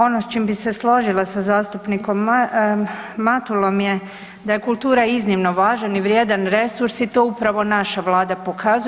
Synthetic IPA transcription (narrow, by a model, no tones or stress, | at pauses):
o̞nost͡ʃiːmbise̞slˠo̞ʒilˠasazaːst̪upniko̞mː | mat̪ulˠo̞mje̞ | d̪aje̞kulˠt̪uːɾaiznimno̞ʋaːʒaniʋɾje̞d̪anɾe̞suɾsit̪o̞upɾaʋo̞naʃaʋlˠaːd̪apo̞kʰaz